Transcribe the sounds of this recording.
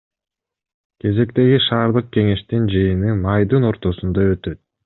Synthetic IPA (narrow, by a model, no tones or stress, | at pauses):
kʰe̞ze̞kt̪e̞ɡiʃɑːɾd̪ɯq̚ke̞ŋe̞ʃt̪ind͡ʒɯjɯnɯmɑjd̪ɯno̞ɾt̪o̞sund̪ɑø̞t̪ø̞t̪̚